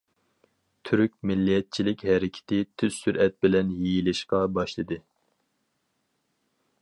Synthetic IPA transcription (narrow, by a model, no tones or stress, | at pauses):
t̪ʰyɾyk̚ʲmɪlːijɛt̪̚t͡ʃʰilɪkʲɦɛɾɪkʲʰɪ̥t̪ʰɪt̪ʰyz̥syɾʔɛt̪̚bɪlɛnjejilɪʃqɑbɑʃlˠɨd̪ɨ